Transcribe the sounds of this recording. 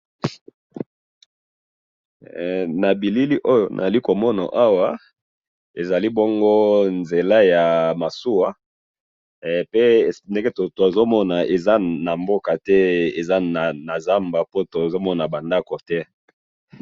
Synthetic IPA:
na˨bi˨li˦li˦ʔo˦jo˨nʔa̰˨a˨li˦ko˨mɔ˦na̰˨ʔa˦wa˨ | e˨za˨li˦bo˦ŋɡo˦nze˨la˦ja˨ma˨su˦wa˨ | pe˦˨nde˦ŋɡe˦to˨to˨e˨zo˦mɔ˦na˨e˨za˦na˨mbo˦ka˨tɛ˦e˨za˦na˨na˨za˦mba˨po˦to˨e˨zo˦mɔ˦na˨ba˨nda˦ko˨tɛ˦

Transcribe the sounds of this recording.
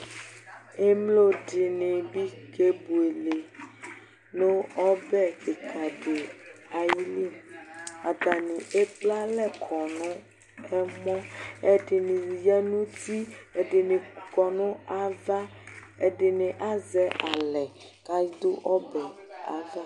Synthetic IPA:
e˦mlo˦ɖi˨nẽ˨bi˦ke˦bu˨e˨le˨ | nõ˦ɔ˦bɛ˦e˨kʰa˨ɖe˨a˨ji˦li˦˨ma˨t̪a˨nĩ˨ʔe˦k͡pla˦lɛ˦kʰɔ˨nɔ̃˦ | ɛ˦mɔ̃˦e˦ɖe˨nĩ˨jɛ˦nũ˦t̪i˦e˨ɖe˨ne˨kɔ˨nɔ̃˦a˨va˦e˨ɖe˨nẽ˨ʔa˦zɛ˦ʔa˨lɛ˨ | ka˦i˦d̪o˦ʔɔ˦bɛ˨a̰˨va˦

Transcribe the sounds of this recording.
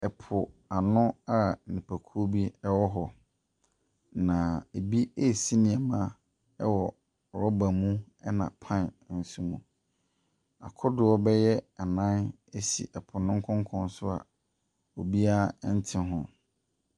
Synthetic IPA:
ɛ˨pʰʊ˨ | a˨nʊ̃˦a˨nĩ˨pʰæ˨kʰu˦bi˦ɛ˦wɔ˦ɦɔ˨ | nã˨e˨bi˦e˦˨si˦nɪ̃˨ɛ˨mã˦ | ɛ˦wɔ˨ | ɾɔ˦ba˨mũ˦ | ɛ˦nã̰˨pʰã˦˨n˨˦n̩˨˦sũ˦mũ˨ | a̰˨kʰʊ˦dʊ˨˦ɔ˦bɛ˦jɛ˦a˨nã˦n | e˦sḭ˨ʔɛ˨pʰʊ˨nʊ̃˦ŋ̩˦kʰɔ̃˦ŋ˦kʰɔ̃˦n˦sʊ˦a̰˨ | o˨bi˦a˦n̩˦tʰɪ̃˦ɦʊ̃˦

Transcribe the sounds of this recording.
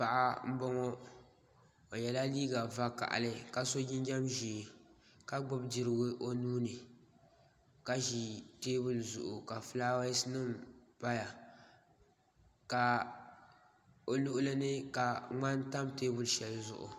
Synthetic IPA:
pa˨ʔa˦m̩˦bɔ˦ŋɔ˦ | o˨jɛ˨la˦liː˦ɡa˨va˦ka̰˨ʔa̰˨lɨ˦ka˦so˦ɡɪ˦ɲ˦d͡ʒa˦mʒi˨ | ka˦ɡ͡bɨ˦bdi˨ɾɨ˨ɡʊ˦ʔo˦nuː˦nɨ˨ | ka˦ʒi˨teː˦bʊ˦lzʊ̰˨ʔʊ˨ka˨flaː˦wa˦snɨ˦mpa˦ja˨ | ka˨ | o˨lu˦ʔʊ˦lɨ˦nɨ˦ka˨ŋ͡ma˦n˦ta˦mteː˦bʊ˦lʃɛ˨lzʊ̰˨ʔʊ̰˨

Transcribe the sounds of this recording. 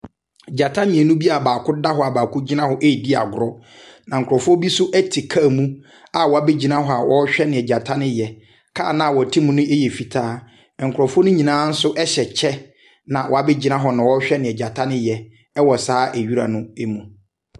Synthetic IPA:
d͡ʑa˨tʰã˦nɪ̃˨ɛ˨nũ˦bi˦a˨baː˨kʰʊ˦da˦ɦɔ˦a˨baː˨kʰʊ˦d͡ʑi˦nã˦hɔ˦ʔe˦˨di˦a̰˨ɡʊ˨ɾɔ˦ | nã˨ŋ̩˨kʰʊ˨ɾɔ˨fʊ˦o˦bi˦sʊ˦ʔæ˦tʰi˨kʰa˦˨mũ˦ | a˨wɔ˨a˨˦be˦d͡ʑi˦nã˦ɦɔ˦a˨wɔ˦ɕᶣɛ˦nɪ̃˨ɛ˨d͡ʑa˨tʰã˦nɪ̃˦jɛ˨ | kʰa̰ː˦˨nã˦a˨wɔ˨tʰĩ˦mũ˦nʊ̃˦e˦jɛ˨fi˨tʰaː˦˨ | ŋ̩˨kʰɾɔ˨fʊ˦o˦nʊ̃˦ɲĩ˨nãː˨˦n̩˦sʊ˦ʔɛ˦ɕɛ˨t͡ɕʰɛ˦ | nã˨wɔ˨a˦be˦d͡ʑi˦nã˦ɦɔ˨nã˨wɔ˦ɕᶣɛ˦nɪ̃˨ɛ˨d͡ʑa˨tʰã˦nɪ̃˦jɛ˨ | ɛ˦wɔ˨saː˦ʔæ˨ɥi˦ɾa̰˨nʊ̃˦e˦mũ˨

